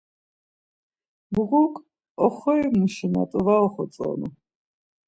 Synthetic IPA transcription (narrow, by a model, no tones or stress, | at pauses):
buʁukʼ | ɔχɔjmuʃina̰t̪ʼɔvaɔχɔt͡sʼɔ̰nu